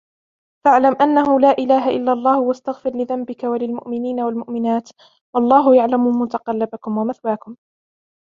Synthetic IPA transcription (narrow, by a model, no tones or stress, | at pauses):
faʕlamʔanːahʊlaːʔɪlaːɦaʔɪlːalˤːɑːhʊwast̪aɣfɪɾlɪðambɪkawalɪlmʊʔmɪniːnawalmʊʔmɪnaːt̪ | wɑlˤːɑːɦʊjaʕlamʊmʊt̪aqɑlːɪbakʊmwamaθwaːkʊm